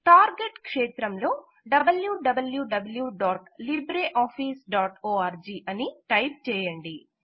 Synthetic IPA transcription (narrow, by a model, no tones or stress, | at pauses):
ʈaːɾɡeʈkʂɛːt̪ɾɐmlo̞ː | ɖɐbɐljuːɖɐbɐljuːɖɐbɐljuːɖaːʈlibɾeːʔaːpʰiːsɖaːʈoːaːɾd͡ʒiːʔɐniʈɐjp̚t͡ʃɛːjɐɳɖi